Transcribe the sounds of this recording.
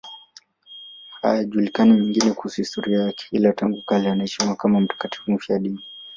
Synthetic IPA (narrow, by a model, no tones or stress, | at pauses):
ha̰jaʄulikanimɛŋɡinɛkuhusuhistɔɾiajakɛ̥ilataŋɡukalɛanaɛʃimiuwakamam̩tḁkati̥hum̩fiaɗini